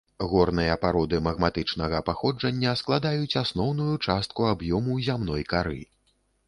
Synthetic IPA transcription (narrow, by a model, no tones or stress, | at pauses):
ɣɔrnɨjɐpaɾɔd̪ɨmɐɣmat̪ɨt͡ʂnɐɣɐpaxɔd͡ʐɐnʲːɐsklˠad̪ajut͡sʲasnɔwnujut͡ʂast̪̚kuabjɔmuzʲamnɔjkaɾɨ̰